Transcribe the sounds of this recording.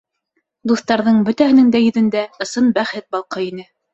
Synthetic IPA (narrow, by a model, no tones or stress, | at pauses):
d̪uθt̪ɑɾðɤɴbɵ̆t̪æhɘ̆nɘŋd̪æjɵ̆ðɵ̆nd̪æɤ̆sɤnbæχɘt̪̚bɑlˠqɤinɘ